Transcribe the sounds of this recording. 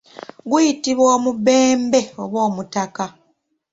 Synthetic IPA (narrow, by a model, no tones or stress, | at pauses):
ɡujitiβwoːmubeːmbe̞o̞βwo̞ːmutaka